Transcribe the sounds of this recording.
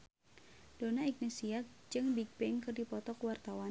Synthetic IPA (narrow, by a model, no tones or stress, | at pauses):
d̥onaik̚nisiak̚d͡ʒɨŋbiɡ̚bɛŋkɨrdipɔt̪ɔkwart̪awa